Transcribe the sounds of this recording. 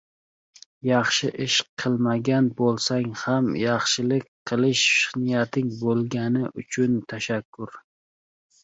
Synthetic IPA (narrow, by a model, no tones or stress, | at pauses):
jɑχʃɪʔɪʃqʰɨlˠmaɡʲanbolˠsaŋhamjɑχʃɪlɪk̚ʲqʰɨlɪʃʃɪχnɪjat̪ʰɪŋbolˠɡʲanɪʔʊt͡ʃʰʊnt̪ʰaʃakʰːʊɾ